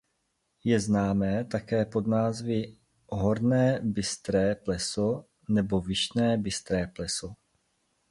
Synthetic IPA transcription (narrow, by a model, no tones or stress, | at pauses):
jɛznaːmɛːt̪akɛːpo̞d̪naːzvɪ | ɦoɾnɛːbɪst̪ɾɛːplɛso | nɛbo̞vɪʃnɛːbɪst̪ɾɛːplɛso